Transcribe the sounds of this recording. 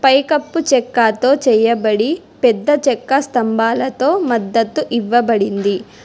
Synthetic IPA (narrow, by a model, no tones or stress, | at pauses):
pɐjkɐpːut͡ʃɛkːaːt̪o̞ːt͡ʃɛːjɐbɐɽi | pɛd̪ːɐt͡ʃɛkːɐst̪ɐmbʱaːlɐt̪o̞ːmɐd̪ːɐt̪ːuʔiʋːɐbɐɽind̪i